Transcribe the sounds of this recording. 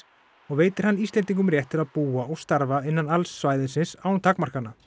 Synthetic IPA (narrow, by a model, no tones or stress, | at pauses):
ɔɣveːjt̪ɪɾ̥hanːiːst̪ɛnt̪̬iŋkʏmɾjɛht̪ʰːɪlaðpuːaɔɣst̪aɾvaɪnːanalsːvaːjðɪnsɪnsawnt̪ʰakmar̥kanːa